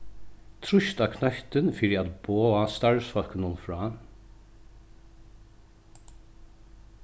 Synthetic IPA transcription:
t̪ʰɾʊʃt̪ɑːkʰnœçt̪ənfiɾɑt̪b̥oːɑːst̪ɑɹsfɑlkənʊnfɹɑː

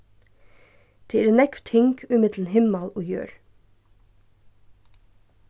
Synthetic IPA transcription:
d̪̥ʰeːɛnɛkft̪hɪŋkʰʉmɪd̪l̩n̩hɪmɑloːjø̰ːɹ

